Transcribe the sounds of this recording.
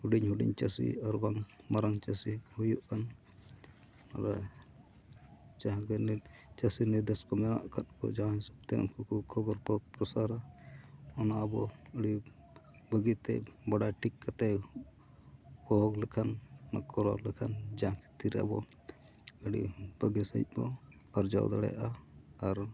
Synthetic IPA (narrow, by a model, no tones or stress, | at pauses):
huɖiɲhuɖḭɲt͡ʃasḭaɾbaŋmaɾaŋt͡ʃasihujuʔkan | na̰ɾa | t͡ʃaɦãkɛnt͡ʃasiniɾd̪eskɔmɛna̰ʔkʰat̪̚kɔ̰d͡ʒaɦãɦisɔbt̪ɛɔ̰nkʰukʰukʰɔbɔɾkɔpɾɔsaɾa | ɔnaʔabɔəɽi | bəɡit̪ɛ̰baɽaʈikːat̪ɛ | bɔɦɔɡlɛkʰanːa̰kɔɾɔ̰ɾlɛkʰand͡ʒãkɛ̥t̪iɾɛa̰bɔ | əɽḭb̥əɡisə̰jt̪̚ˀbɔ | aɾd͡ʒa̰wd̪aɽɛ̰ja̰ʔaaɾ